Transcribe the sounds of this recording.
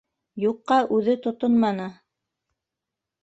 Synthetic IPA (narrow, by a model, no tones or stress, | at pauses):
juqːɑʔʉðɘt̪ŏt̪onmɑnɤ